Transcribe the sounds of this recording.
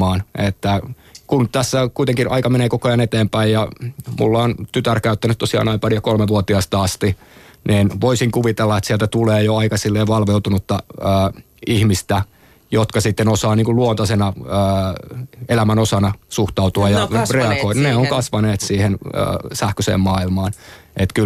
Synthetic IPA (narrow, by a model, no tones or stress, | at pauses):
ɑːnet̪ːækunt̪æsːækuit̪eŋkinʔɑ̰ikɑmeneːkokojɑnet̪eːmpæijjɑmṵlːɑont̪yt̪ærkæyt̪ːænyt̪t̪osiɑ̰ːnɑimpɑrijɑkolmeʋuot̪iɑst̪ɑɑst̪iniːnʋoisiŋkuʋit̪elːɑet̪sielt̪æt̪uleːjoɑikɑsilːeːʋɑlʋeut̪unut̪ːɑəː | ihmist̪æ | jot̪kɑsit̪ːenosɑːniːŋkulluont̪ɑsenɑəː | elæmænosɑnɑsuht̪ɑut̪uɑjɑreɑɡoinneoŋkɑsʋɑneːt̪siːhenə̰ːsæhkøsḛːmmɑːilmɑːnet̪kyl